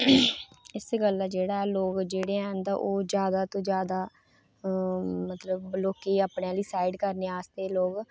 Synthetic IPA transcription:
ɪsɡəlːaːd͡ʒeːɽaːɛːloːɡd͡ʒeːɽeːɛ̃ːnd̪aʔoːd͡ʒjaːd̪aːt̪õːd͡ʒjaːd̪aː | mət̪ləbloːkeːaːpneãːliːsaːiɖkəɾneːaːst̪eːloːɡ

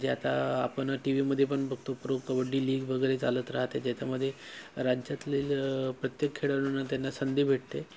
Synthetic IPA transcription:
d͡ʑeat̪aːpəɳʈiʋiməd̪ʱːjepəɳbʱəɡt̪opɾoɡkəʋəɖːiːliːɡʋəɡəjɾet͡salət̪ɾaɦt̪ed͡ʑɛt͡ɕaməd̪ʱːjeɾad͡ʑjat̪liːlpɾət̪jekʰːeɽəʋɽənːat̪janːasənd̪ibʱeʈt̪e

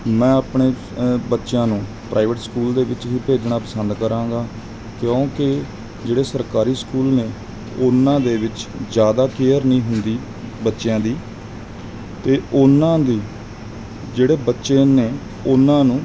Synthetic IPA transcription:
mɛ̃ːəpɳeː | bətːʃjãːnũː | pɾʔaːɪʋəʈskuːld̪eːʋɪt͡ʃɦiːpeːd͡ʒnaːpəsənd̪kəɾãːŋɡaː | kjõːkɪ | d͡ʒeːɽeːsəɾkaːɾiːskuːlneː | ʊnːãːd̪eːʋɪt͡ʃd͡ʒjaːd̪aːkeːəɾnĩːɦʊnd̪iː | bətːʃjãːd̪iː | t̪eːʊnãːd̪iː | d͡ʒeːɽeːbətːʃeːneː | ʊnːãːnũː

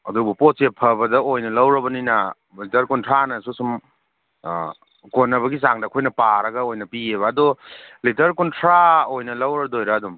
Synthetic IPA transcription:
ɐdubuposepʰɐbɐdɐojnɐlɐwɾɐbɐninɐ | litɐɾkuntʰɾanɐsusum | konːɐbɐɡis̬aŋdɐkʰojnɐpaɾɐɡɐojnɐpieβɐːdolitɐɾkuntʰɾaojnɐlɐwɾɐdojɾɐːdum

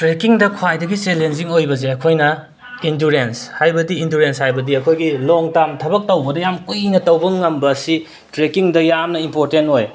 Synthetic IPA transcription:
tɾekiŋdɐkʰwajdɐɡit͡ʃelenziŋojbɐzeɐkʰojnɐ | induɾenshajbɐdiinduɾenshajbɐdiɐkʰojɡiloŋtamtʰɐbɐk̚tɐwbɐdɐjamkujnɐtɐwbɐŋɐmbɐːsi | tɾekiŋdɐjamnɐimpoɾtentoj

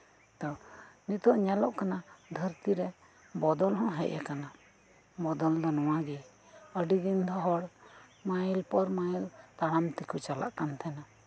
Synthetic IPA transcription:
t̪ɔnit̪ɔʔɲɛlɔʔkanad̪ʱəɾt̪iɾɛ | bɔd̪ɔlɦɔ̃ɦɛ̰ʔa̰kana | mɔd̪ɔld̪ɔnɔw̃aɡi | əɖid̪ind̪ʱɔɦɔɽmajlpɔɾmailt̪aɽ̃amt̪ikut͡ʃala̰ʔkant̪ʰɛna

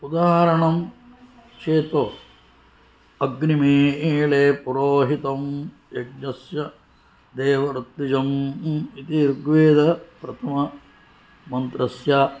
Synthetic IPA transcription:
pud̪aːɾɐɳɐm | t͡ʃeːt̪oː | ɐɡnimeːeːɭeːpuɾoːɦit̪ɐm | jɐɡnɐsjɐ | d̪eːʋɐɾut̪ːid͡ʒɐmit̪iɾɡʋeːd̪ɐpɾɐt̪ʰɐmɐ | mɐnt̪ɾɐsjaː

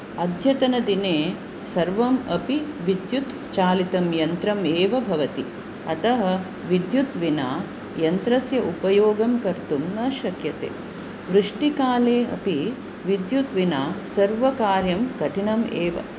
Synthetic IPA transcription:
ɐd̪ʱjɐt̪ɐnɐd̪ineː | sɐɾʋɐmɐpiʋid̪jut̪ | t͡ʃaːlit̪ɐmjɐnt̪ɾɐmeːʋɐbʱɐʋɐt̪i | ɐt̪ɐɦɐ | ʋid̪jut̪ʋinaː | jɐnt̪ɾɐsjɐʔupɐjoːɡɐmkɐɾt̪umnɐːʃɐkjɐt̪ḛː | ʋɾuʂʈikaːleːɐ̰pi | ʋid̪jut̪ʋinaːsɐɾʋɐkaːɾjɐmkɐʈʰinɐmeːʋɐ̰

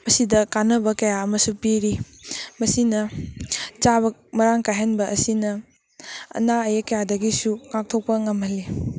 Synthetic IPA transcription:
mɐsidɐkanɐbɐkɐjaɐmɐsupiɾi | mɐsinɐ | t͡ʃabɐmɐɾaŋkajɦɐnbɐʔɐsinɐ | ɐ̰naɐjɐkɐjadɐɡisukak̚tʰok̚pɐŋɐmɐli

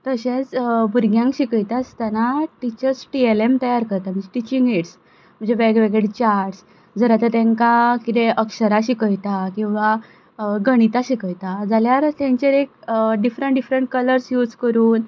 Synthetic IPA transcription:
t̪əɕãt͡sbuɾɡʱjãŋkɕikəjt̪ast̪anaʈit͡ɕəɾsʈielemt̪əjaɾkəɾt̪am̤əɳd͡ʑeʈit͡ɕiŋɡeʈs | m̤əɳd͡zeʋeɡʋeɡeɽet͡ɕaɾʈs | d͡zəɾat̪ət̪ẽŋkakit̪ẽʔəkɕəɾaɕikəjt̪akĩw̃ʋa | ɡəɽ̃it̪aɕikəjt̪ad͡zaljaɾt̪ãɲt͡ɕeɾek̚ɖifɾəɳʈɖifɾəɳʈ̚kələɾsjud͡zkəɾuːn

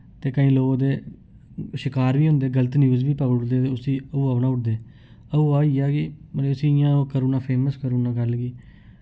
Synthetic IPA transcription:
t̪eːkəĩːloːɡd̪eː | ʃɪkaːɾʋiːɦʊ̃nd̪eːɡələt̪njuːzbiːpəɡʊʈd̪eːt̪eːʊsĩːəuːəpnãːʊʈd̪eː | əuːaːiːaːkɪməneːʊsĩːɪjãːoːkəɾuːnaːpʰeːməskəɾuːnãːɡəlɡiː

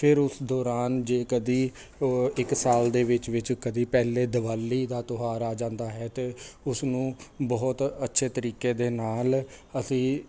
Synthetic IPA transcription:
pʰɪɾʊsd̪ɔːɾaːnd͡ʒeːkəd̪iː | ɪksaːld̪eːʋɪt͡ʃʋɪt͡ʃkəd̪iːpɛːleːd̪əʋaːlːiːd̪aːt̪oɦaːɾaːd͡ʒãːnd̪aːɦɛːt̪eːʊsnũːbɔːʊt̪ətːʃʰeːt̪əɾiːkeːd̪eːnaːl | əsĩː

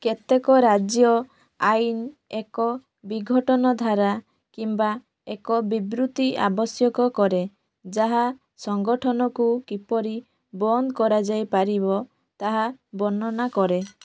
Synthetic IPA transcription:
ket̪ekɔɾad͡ʒjɔ | ajnekɔ | biɡʱɔʈɔnɔd̪ʱaɾa | kimba | ekɔbibɾut̪ia̰bɔsjɔkɔkɔɾe | d͡ʒaɦa | sɔŋɡɔʈʰɔnɔkukipɔɾi | bɔnd̪kɔɾad͡ʒajpaɾibɔ | t̪aɦabɔnɔnakɔɾe

